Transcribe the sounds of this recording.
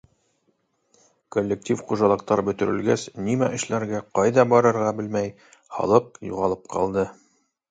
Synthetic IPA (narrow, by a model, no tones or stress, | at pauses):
kolʲːek̚tʲifχuʒɑlˠɤ̆qt̪ɑɾbɵ̆t̪ɵ̆ɾɘ̆lɡæsnimæʔɘ̆ʃlæɾɡæqɑjðɑbɑɾɤ̆ɾʁɑbɘlmæj | hɑ̰lˠɤp̚jṵʁɑlˠɤp̚qɑ̰lˠd̪ɤ